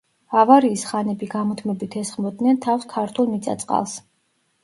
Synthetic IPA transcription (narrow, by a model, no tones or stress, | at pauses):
avaɾiːsχanɛbiɡamɔt̪ʰmɛbit̪ʰɛsχmɔd̪nɛnt̪ʰafskʰaɾt̪ʰulˠmit̪sʼa̰t̪sʼqʼa̰lˠs